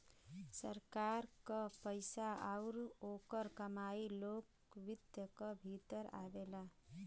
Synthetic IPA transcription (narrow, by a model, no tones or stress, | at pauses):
səɾkaɾkəpəjsaauɾokəɾkəmailok | ʋid̪jəkəbʱit̪əɾa̰bela